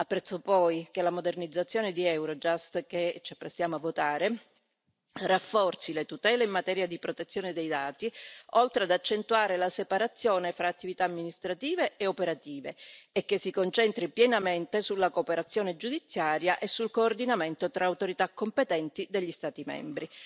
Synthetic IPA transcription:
apːɾɛt̪sːopɔjkelamod̪ernid̪zːat̪sːjoːned̪iɛwɾod͡ʒast̪ket͡ʃiapːɾest̪jaːmoavːot̪aːɾe | rafːɔrt̪silet̪ut̪ɛːleimːat̪ɛːɾjad̪ipɾot̪et̪sːjoːned̪ejd̪aːt̪iɔlt̪ɾead̪at͡ʃːent̪uaːɾelasepaɾat̪sːjoːnefɾaːt̪ːivit̪aːmːinist̪ɾat̪iːveːopeɾat̪iːveːkːesːikont͡ʃɛnt̪ɾipjɛnament̪esulːakoːpeɾat̪sːjoːned͡ʒud̪it̪sːjaːɾjaʔesːulkoːrd̪inament̪ot̪ɾʔaːwt̪oɾit̪akːompet̪ɛnt̪id̪eʎːist̪aːt̪imɛ̰mbɾi

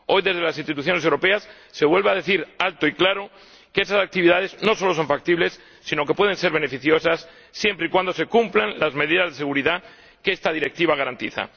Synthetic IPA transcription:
o̞jðe̞zð̞elasinst̪it̪uθjo̞nesewɾo̞pe̞asː | e̞βwe̞lβaðe̞θiɾalt̪oiklaɾo̞ | keesasak̚t̪iβiðað̞e̞zno̞so̞lo̞so̞ɱfak̚t̪iβle̞sː | ino̞ke̞pwe̞ð̞e̞nse̞ɾβ̞e̞ne̞fiθjo̞sasː | je̞mpɾeikwand̪ose̞kumplanlazme̞ðiðazðeeɣuɾiða | keest̪að̞iɾe̞k̚t̪iβaɣ̞aɾant̪iθa̰

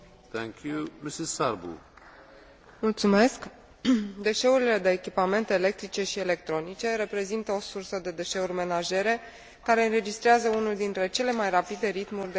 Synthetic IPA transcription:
t̪ʰɛ̃ŋkʰjumisizsaɾbṵ | mult̪sume̞sk | d̪e̞ʃe̞uɾile̞d̪e̞ːkʲipame̞nt̪e̞ːle̞k̚t̪ɾit͡ʃe̞ʃie̞le̞k̚t̪ɾo̞nit͡ʃe̞ɾe̞pɾe̞zint̪əo̞sursəd̪e̞d̪e̞ʃe̞urʲme̞naʒe̞ɾe̞ | kaɾe̞ɨnɾe̞d͡ʒist̪ɾeazəunuld̪int̪ɾe̞t͡ʃe̞le̞majrapid̪e̞ɾit̪murʲd̪e

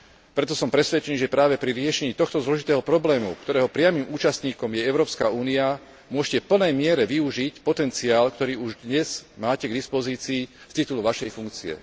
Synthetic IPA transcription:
pɾɛt̪ɔsɔmpɾɛsʋɛt͡ʃɛniːʒɛpɾaːʋɛpɾiɾɪɛʃɛɲiːt̪ɔxt̪ɔzlɔʒit̪ɛːɦɔpɾɔblɛːmṵkt̪ɔɾɛːɦɔpɾɪamiːmuːt͡ʃast̪ɲiːkɔmjɛɛʊɾɔːpskauːnia | mʊɔʃcɛfpl̩nɛjmɪɛɾɛʋiuʒicpɔt̪ɛnt͡siaːlkt̪ɔɾiːuʒd̪ɲɛz̥maːcɛɡd̪ispɔziːt͡siː | st̪it̪uluʋaʃɛjfuŋk̚t͡siɛ̰

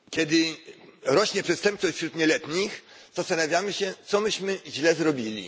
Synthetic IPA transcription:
kʲɛd̪ɘ | ɾɔɕɲɛpʂɛt̪st̪ɛmp̚t͡s̪ɔɕʲt͡ɕfɕɾut̪ɲɛlɛt̪ɲix | z̥ast̪anavʲjamɘɕɛt̪sɔmɘɕmɘʑlɛzɾɔbʲilʲḭ

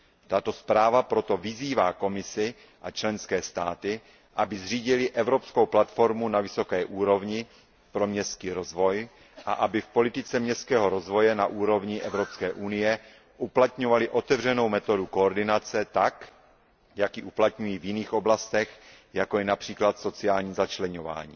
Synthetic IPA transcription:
t̪at̪o̞spɾaːvapɾo̞t̪o̞vɪziːvaːko̞mɪsɪ | ʔat͡ʃlɛnskɛːst̪aːt̪ɪ | ʔabɪzr̝iːɟɪlɪʔɛvɾo̞psko̞wplat̪fo̞ɾmunavɪso̞kɛːʔuːɾo̞vɲɪ | pɾo̞mɲɛst̪kiːɾo̞zvo̞j | ʔa̰ʔabɪfpo̞lɪt̪ɪt͡sɛmɲɛst̪̚kɛːɦo̞ɾo̞zvo̞jɛnaʔuːɾo̞vɲɪʔɛvɾo̞pskɛːʔunɪjɛ | ʔuplat̪ɲo̞valɪʔo̞t̪ɛvr̝ɛno̞wmɛt̪o̞duko̞ːɾdɪnat͡sɛt̪ak | jakjiʔuplat̪ɲujiːvjɪniːxʔo̞blast̪ɛx | jako̞jɛnapr̝̥iːklat̪so̞t͡sɪaːlɲiːzat͡ʃlɛɲo̞va̰ːɲḭː

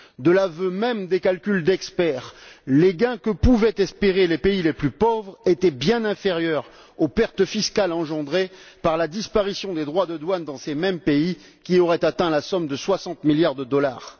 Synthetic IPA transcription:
d̪əlavømɛmd̪ekalkʲyld̪ɛkspɛʁleɡɛ̃kəpuvɛt̪ɛspeʁelepeileplypɔvʁet̪ɛbjɛ̃nɛ̃feʁjœʁ | opɛʁt̪əfiskalɑ̃ʒɑ̃d̪ʁepaʁlad̪ispaʁisjɔ̃d̪ed̪ʁwad̪əd̪wand̪ɑ̃semɛmpei | kʲiɔʁɛt̪at̪ɛ̃lasɔmd̪əswasɑ̃t̪miljaʁd̪əd̪ɔla̰ʁ

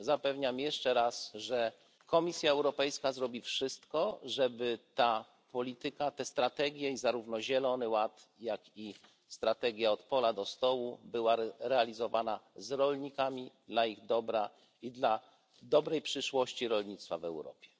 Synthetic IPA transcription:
zapɛvɲamjɛʂt͡ʂɛɾasʐɛ | kɔmʲisʲjaɛwɾɔpɛjskazɾɔbʲifʂɘst̪kɔʐɛbɘt̪a | pɔlʲit̪ɘkat̪ɛst̪ɾat̪ɛɡʲjɛizaɾuvnɔʑɛlɔnɘwat̪jaki | st̪ɾat̪ɛɡʲjaɔt̪pɔlad̪ɔst̪ɔwubɘwaɾɛalʲizɔvanazɾɔlɲikamʲid̪laiɣd̪ɔbɾa | id̪la | d̪ɔbɾɛjpʂɘʂwɔɕt͡ɕiɾɔlɲit̪st̪fa̰vɛ̰wɾɔ̰pʲjɛ

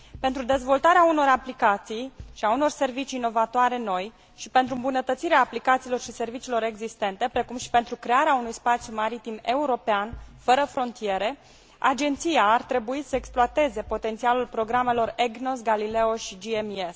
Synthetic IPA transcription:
pe̞nt̪ɾud̪e̞zvo̞lt̪aɾeauno̞ɾaplikat̪sijʃiauno̞rse̞rvit͡ʃiːno̞vat̪oaɾe̞no̞j | ʃipe̞nt̪ɾuɨmbunət̪ət̪siɾeaːplikat̪siːlo̞rʃise̞rvit͡ʃiːlo̞ɾe̞ɡzist̪e̞nt̪e̞pɾe̞kumʃi̥pe̞nt̪ɾukɾe̞aɾeaunujspat̪sjumaɾit̪ime̞uɾo̞peanfəɾəfɾo̞nt̪ije̞ɾe̞ | a̰d͡ʒe̞nt̪sijaːrt̪ɾe̞buisəeksploat̪e̞ze̞po̞t̪ent̪sialulpɾo̞ɡɾame̞lo̞reɡnosɡalile̞oʃid͡ʒiemies

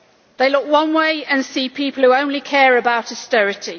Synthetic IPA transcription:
ðeɪlʊkwʌ̃nweɪə̃nsiːpʰiˑpəl̩ˠhuə̃ʊ̃nlikʰɛːɹəbaʊtəstɛɹɪtʰi

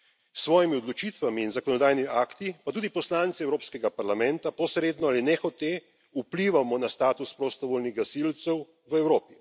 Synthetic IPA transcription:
sʋɔːjimiɔd̪lɔt͡ʃit̪ʋamiːnzakɔnɔd̪aːjniiaːkt̪ipat̪uːd̪ipɔslaːnt̪siɛwɾoːpskɛɡapaɾlamɛnt̪apɔsɾeːd̪nɔalinɛxɔt̪e | upliːʋamɔnast̪aːt̪uspɾost̪ɔʋoːlniɣɡasilt̪sɛw | ʋəɛwɾoːpi

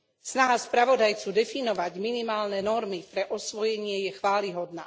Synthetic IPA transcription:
snaɦaspɾaʋɔd̪ajt͡sud̪ɛfinɔʋaɟminimaːlnɛnɔɾmipɾɛʔɔsʋɔjɛɲɪɛjɛxʋaːliɦɔd̪na̰ː

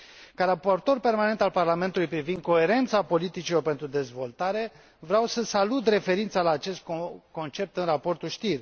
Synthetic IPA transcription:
kaɾapo̞rt̪o̞rpe̞rmane̞nt̪alparlame̞nt̪ulujpɾivind̪̚ko̞e̞ɾe̞nt̪sapo̞lit̪it͡ʃilo̞rpe̞nt̪ɾud̪e̞zvo̞lt̪aɾe̞ | vɾeawsəsalut̪̬re̞fe̞ɾint̪salaːt͡ʃe̞st̪̚ko̞nt͡ʃe̞p̚t̪ɨnrapo̞rt̪ulʃt̪ir

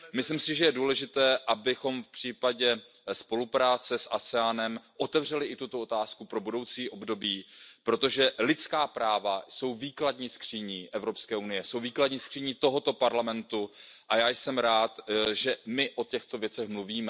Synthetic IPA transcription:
mɪslɪmsɪʒɛjɛduːlɛʒɪt̪ɛːʔabɪxo̞mfpr̥iːpaɟɛ | spo̞lupɾaːt͡sɛsʔasɛaːnɛmʔo̞t̪ɛvr̝ɛlɪʔɪt̪ut̪o̞ot̪aːskupɾo̞budo̞wt͡siːʔo̞bdo̞biːpɾot̪o̞ʒɛlɪt͡skaːpɾaːvaso̞wviːkladɲiːskr̝̥iɲiːʔɛvɾopskɛːʔunɪjɛsowviːkladɲiːskr̥iɲiːt̪o̞ɦo̞t̪o̞paɾlamɛnt̪uʔajaːjsɛmɾaːt̪ʒɛmɪʔo̞cɛxt̪ovjɛt͡sɛxmluviːmɛ

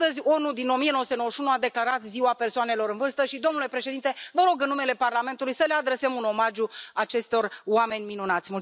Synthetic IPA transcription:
t̪əzʲo̞nud̪ino̞mijeowsut̪eowəʃiunuad̪e̞klaɾat̪ziwape̞rsoane̞lo̞ɾɨnvɨrst̪əʃid̪o̞mnule̞pɾe̞ʃed̪int̪e̞vəɾo̞ɡɨnːume̞le̞parlame̞nt̪ulujsəlead̪ɾe̞semuno̞maʒuat͡ʃe̞st̪o̞rwame̞nʲminunat̪sʲmul

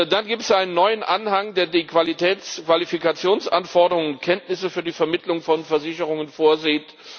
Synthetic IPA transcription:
danɡiːptəsʔaɪnənːɔʏənʔanhaŋdeːɐdiːkv̥alitʰɛːkv̥alifikat͡sjoːnsʔanfɔɐdəʁʊŋənkʰɛntnɪsəfyːɐdiːfɛɐmɪtʰlʊŋfɔnfɛɐzɪçəʁ̞ʊŋənfoːɐziːt

